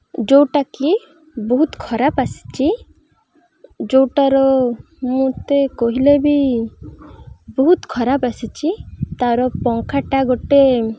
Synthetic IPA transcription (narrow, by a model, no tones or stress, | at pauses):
d͡ʒowʈaki | bɔɦut̪kʰɔɾapasi̥t͡ʃʰi | d͡ʒowʈaɾɔ | mũt̪ekɔɦilebi | bɔɦut̪kʰɔɾapasit͡ʃʰit̪aɾɔpɔŋkʰaʈaɡoʈe